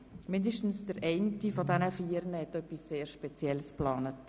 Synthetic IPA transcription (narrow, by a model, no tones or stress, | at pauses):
mɪndəʃtn̩sd̥əɾʔɛɪntifodænəfiːəɾnəhɛtœpːisːeːɾʃpɛt͡sjɛlsplɑːnət